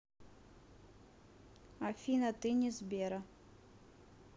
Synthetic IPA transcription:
afʲinɐt̪ɨnʲɛzʲbʲɛɾɐ

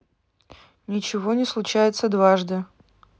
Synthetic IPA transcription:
nʲɪt͡ɕɪvonʲɪslˠʊt͡ɕæjɪt̪səd̪vaʐd̪ɨ

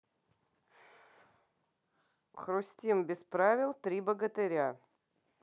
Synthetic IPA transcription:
xɾʊsʲtʲimbʲɪspɾavʲɪlˠt̪ɾʲibəɡət̪ɨɾʲa

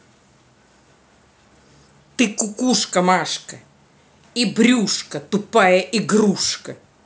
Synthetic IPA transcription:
t̪ɨkʊkuʂkɐmaʂkɐ | ibɾʲuʂkɐt̪ʊpajɐʔiɡɾuʂkɐ

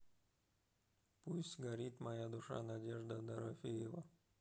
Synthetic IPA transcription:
pusʲtʲɡɐɾʲit̪mɐjad̪ʊʂa̰nɐdʲeʐd̪əd̪ɐɾɐfʲijɪvə

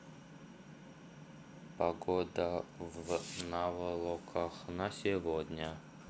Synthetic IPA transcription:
pɐɡod̪əvnavəlˠɔkʰəxnəsʲɪvod̪ʲnʲə

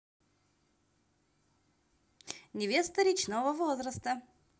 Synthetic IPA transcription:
nʲɛvʲest̪əɾʲit͡ʃnovəvɔzɾəst̪ə

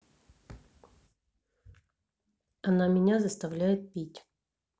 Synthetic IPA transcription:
ɐnamʲɪnʲazəst̪ɐvlʲæjɪt̪̚pʲitʲ

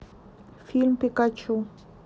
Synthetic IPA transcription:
fɪlmpɪkat͡ʃʊ

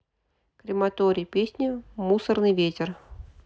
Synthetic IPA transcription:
kɾʲɪmɐt̪oɾʲɪjpʲesʲnʲɪmusərnɨjvʲetʲɪr

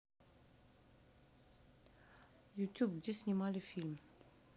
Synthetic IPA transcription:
jutʰupd͡ʑisɲimalifilm

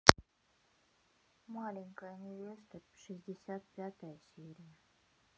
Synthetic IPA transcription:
malʲɪŋʲkəjnʲɪvʲest̪əɾʂɨzʲdʲɪsʲat̪̚pʲat̪əjəsʲiɾʲɪjə

